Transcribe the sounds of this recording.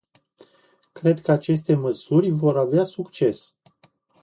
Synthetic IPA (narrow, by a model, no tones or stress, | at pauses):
kɾe̞d̪kəat͡ʃe̞st̪e̞məsurʲvo̞ɾaveasukt͡ʃe̞s